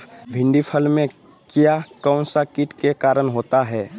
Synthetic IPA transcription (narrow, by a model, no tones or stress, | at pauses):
bʱɪ̃ɳɖipʰəlmẽ | kjakaʊ̃nsakɪʈkekaːɾənɦoːt̪aɦɛː